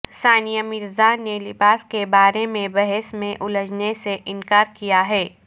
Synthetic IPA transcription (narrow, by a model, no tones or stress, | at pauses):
saːnijəmɪɾzanelɪbaːskebaːɾemẽbɛɦɛsmẽʔʊləd͡ʒneseʔɪnkaːɾkijaɦɛː